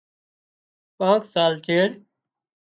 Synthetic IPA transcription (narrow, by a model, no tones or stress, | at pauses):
pãːksaːlt͡ʃeːɾ